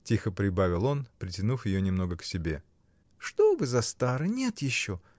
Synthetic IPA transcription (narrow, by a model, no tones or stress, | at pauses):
tʲixəpɾʲɪbavʲɪlˠo̞npɾʲɪtʲɪnufjɪjonʲɪmno̞ɡəksʲɪbʲe̞ | ʂt̪obɨzɐst̪aɾɨnʲe̞t̪jɪɕːo